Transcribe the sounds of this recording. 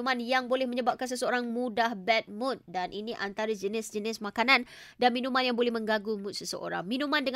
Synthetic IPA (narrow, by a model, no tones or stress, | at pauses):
mãnjaŋbolɛhmə̃ɲəbap̚kans̬əsəoɾaŋmudahbɛt̪̚mʊ̃t̪̚danʔiniʔant̪aɾəd͡ʒənɪsd͡ʒənɪsmakanan | danmĩnũmãnjaŋbolɛhmə̃ŋɡaɡumʊt̪̚səsə̰ʔo̰ɾa̰ŋmĩnũmãndəŋ